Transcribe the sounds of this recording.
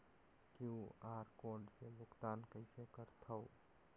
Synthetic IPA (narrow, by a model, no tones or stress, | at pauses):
kjuaːɾkoːɾɖselʊkt̪aːnkəɪsekəɾt̪ʰəw